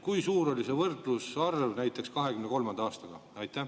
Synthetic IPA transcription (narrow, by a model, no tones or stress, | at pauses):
kujsuːɾo̞lʲise̞vɤrt̪ˑlusɑrvnæjt̪ːˑe̞kskɑɦe̞kymneko̞lmɑnd̪ɑɑːst̪ɑɡ̥ɑɑjt̪ːˑæh